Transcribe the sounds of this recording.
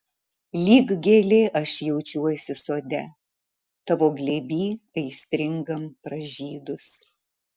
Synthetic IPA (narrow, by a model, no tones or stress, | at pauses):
lʲiːɡɡʲeːlʲeːʔɐʃjɛʊt͡ʃʲuɔsʲɪsoːd̪ʲɛ | t̪ɐʋoːɡlʲeːbʲiːɐɪsʲt̪ʲɾʲɪŋɡɐmpɾɐʒʲiːd̪ʊs